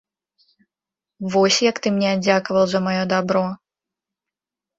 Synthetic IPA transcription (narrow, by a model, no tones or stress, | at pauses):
vɔsʲjɐkt̪ɨmnʲɛd͡zʲakɐvɐlˠzɐmajɔd̪abɾɔ